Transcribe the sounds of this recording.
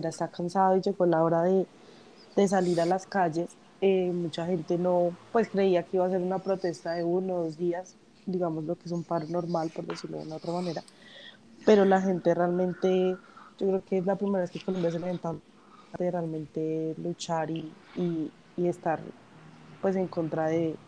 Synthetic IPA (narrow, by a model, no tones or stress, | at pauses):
eɾaest̪akansaðoid͡ʒe̞ɣo̞lao̞ɾaðe̞ | d̪̥e̞s̬aliɾalaskad͡ʒe̞s | emut͡ʃaxe̞nt̪e̞no̞pwe̞skɾe̞iake̞iβas̬e̞ɾunapɾo̞t̪e̞st̪aðe̞unoðozd̪ias | d̪iɣamo̞zlo̞kees̬umpaɾono̞ɾmalpo̞ɾd̪esiɾloð̰ṵnao̞t̪ɾamane̞ɾa | pe̞ɾo̞laxe̞nt̪e̞realmẽ̞nt̪e̞d͡ʒokɾe̞okezlapɾimeɾaβeskekolombjas̬eleent̪a | d̪erealmẽ̞nt̪e̞lut͡ʃaɾiː | e̞st̪aɾ | pwe̞s̬e̞ŋko̞nt̪ɾaðe̞